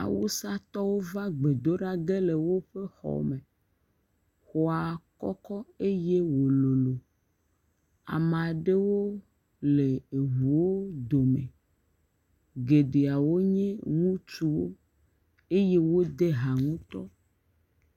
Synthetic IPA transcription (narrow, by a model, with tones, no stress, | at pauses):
a̰˨wo˦sa˦t̪ɔ˦wo˦va˦ɡ͡be˨d̪o˦ɖa˦ɡe˦le˨wo˦ɸe˦xɔ̰˨mẽ˨ | xɔ˨a˨kɔ˦kɔ˦e˦je˦wo˨lo˨lo˨ | a̰˨m˨a˨ɖe˦wo˦ | le˨e˨ɦu˨wo˦d̪o˨mḛ̃˨ | ɡe˨ɖe˨a˨wo˦ɲɛ̃˦ŋũ˦t͡ʃu˦wo̰˦ | e˦je˦wo˦d̪e˦ɦa˨ŋũ˦t̪ɔ˦